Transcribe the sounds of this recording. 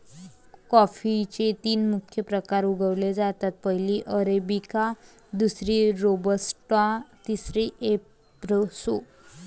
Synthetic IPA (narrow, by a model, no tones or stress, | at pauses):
kɔfit͡ɕet̪iːnmukʰjəpɾəkaɾuɡʱəʋled͡zat̪at̪̚pəɦiliʔəɾebika | d̪usɾiɾobəsʈãt̪isɾiʔe | ɾəso